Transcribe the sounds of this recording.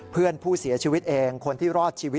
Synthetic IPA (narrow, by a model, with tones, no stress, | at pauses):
pʰɯ˥˩ənpʰuː˥˩si˨˩˦ɐt͡ɕʰiː˧wi˦˥t̪̚ʔeː˧ŋkʰo˧nt̪ʰiː˥˩ɾɔː˥˩t̪̚t͡ɕʰiː˧w